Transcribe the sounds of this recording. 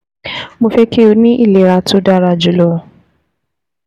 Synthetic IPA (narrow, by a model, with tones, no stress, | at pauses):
mo˨fe˦ke˦˨u˨nɪ˦ʔi˦˨le˨ɾa˨tʊ˦da˦ɾa˨d͡ʒu˨lo˨